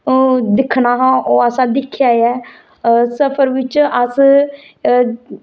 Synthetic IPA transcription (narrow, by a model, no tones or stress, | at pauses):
d̪ɪkʰnaːɦãːʔoːəsãːd̪ɪkʰːjaːjɛː | səpʰəɾʋɪt͡ʃəs